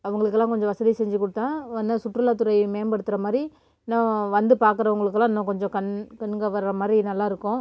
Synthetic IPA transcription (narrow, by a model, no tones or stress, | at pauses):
ɐʋɐŋɡɐɭɯkːɛlːãːkɔɲd͡ʒɔ̃ʋɐsɐðisɛɲd͡ʒɯkɔɽɯt̪ːãːɐnːɐsʊʈːrɯlaːt̪ːʊɾɐɪmeːmbɐɽɯt̪ːɯɾɐmaːd̪ɾi | nãːʋɐnd̪ɯpaːɾkɯɾɐʋɐŋɡɐɭɯkːlːãːnːõkɔɲd͡ʒɔ̃kɐnkɐnɡɐʋɐɾɾɐmaːd̪ɾinɐlːaːɪɾɯkːʊ̃